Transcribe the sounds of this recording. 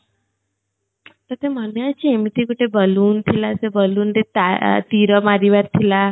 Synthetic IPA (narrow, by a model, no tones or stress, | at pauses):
t̪ət̪emənjat͡ɕʰiemit̪ikuʈebəluːnt̪ʰilasebəluːnd̪et̪at̪iɾɔmaɾiʋaɾt̪ʰila